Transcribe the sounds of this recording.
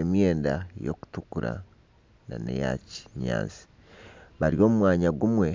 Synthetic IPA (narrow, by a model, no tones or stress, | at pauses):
emjeːndajo̰ku̥tukuɾa̰ | na̰nḛja̰ci̥ɲa̰ːnsi̥ | βaɾijo̞ːmumwaːɲaɡumwe̞